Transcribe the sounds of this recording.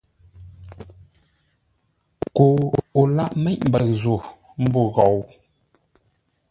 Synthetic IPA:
ko˨o˨la˦ʔmɛ˦ʔm̩˨bə˨zo˨ | m̩˦bo˦˨ɣɔ˨w

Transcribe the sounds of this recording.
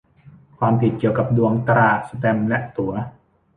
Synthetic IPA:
kʰwaː˧mpʰi˨˩t̪̚ki˨˩əwka˨˩p̚du˧əŋt̪ɾaː˨˩t̪̚sa˧t̪ɛ˧mlɛ˦˥ʔt̪u˨˩˦ɐ

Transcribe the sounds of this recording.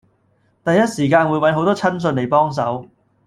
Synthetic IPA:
t̪ɐ˨jːɐ˥t̚siː˨˩kaː˧nwuː˨˥jwɐ˨˥nɦo˨˥wt̪ɔː˥t͡sʰɐ˥ns̬ɵ˧nle˨˩jpɔː˥ŋs̬ɐ˨˥w

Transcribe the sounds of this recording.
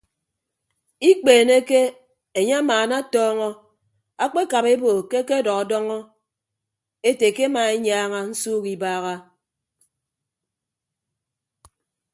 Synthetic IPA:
i˦k͡peː˨ne˦ke˦ | e˨ɲe˦a˦maː˨na˦tɔː˦ŋɔ˦ | a˦k͡pe˦ka˨βe˦bo˨ke˦ke˦dɔ˨ɣɔ˨dɔ˦ŋɔ˦ | e˦te˨ke˦a˦maː˨e˦ɲaː˦ŋa˦n̩˦suː˦ki˨baː˦ɣa˦

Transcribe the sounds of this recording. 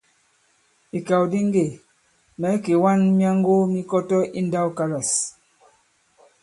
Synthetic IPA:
i˨ka˨wdi˦ŋ˦ɡe˨ | mɛ˨˦ke˨wa˦nmja˦ŋ˦ɡo˦mi˦kɔ˦tɔ˦ʔi˦n̩˦da˦wka˦la˨s

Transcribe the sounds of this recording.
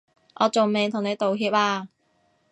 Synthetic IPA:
ʔɔː˨˧t͡so˨wme˨jt̪ʰʊ˨˩ŋne˨˧jt̪o˨wɦiː˧p̚aː˧

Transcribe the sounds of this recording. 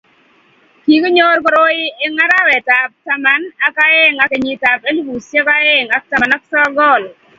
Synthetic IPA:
ki˨ke˦ɲo˦ɾk̬ɔ˦ɾo˦jɪ˦e˦ŋa˦ɾa˦wɛ˨ta˨p̚ta˦ma˨na˦ka˦ɛ˦ŋa˨ke˨ɲɪ˨ta˨pe˦li˦bu˨sɛ˦ka˦ɛ˦ŋa˨k̚ta˦a˨na˦k̚tɔ˦ɡɔ˦˨l

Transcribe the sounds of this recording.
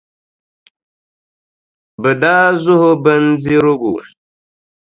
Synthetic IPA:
bə˨da˦zu˦ho˦bə˦n˦d͡zi˦ɾo˦ɡṵ˨

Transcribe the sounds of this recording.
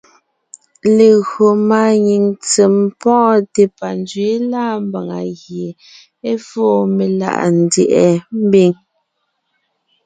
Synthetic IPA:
le˨ɣɰo˨ma˨ɲi˨ŋt͡se˨mpɔ̃ː˦te˨pa˨n˦dɥe˨˦laː˦m˦ba˨ŋa̰˨ɣje˨ | e˦fɔː˦˨me˨la̰˨ʔa˨n̩˨djɛ̰˨ʔɛ˨m̩˦bi˦˨ŋ

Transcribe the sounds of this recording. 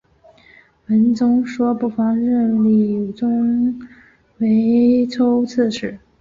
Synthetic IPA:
wə˧˥nt͡sʊ˥ŋʂwɔ˥pu˥˩fɑ˥ŋɻə˥˩nli˨˩u˨˩t͡sʊ˥ŋ | we˧˥ɪt͡sʰo˥ʊt͡s̩ʰ˥˩ʂɻ̩˨˩˦

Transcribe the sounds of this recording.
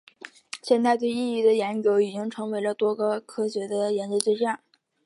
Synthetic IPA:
ɕjɛ˥˧nt̪t͡sa˥˧ɪt̪we˥˧ɪi˥˧i˥˩d̪ə˩jɛ˧˥nt͡ɕjo˧˥ʊi˨˩t͡ɕi˥ŋʈ͡ʂʰɤ˧˥ŋwe˧˥ɪlə˧t̪wɔ˥ɡə˧kʰɤ˥ɕɥɛ˧˥d̪ə˧jɛ˧˥nt͡ɕjo˥t̪we˥˧ɕja˥˩n

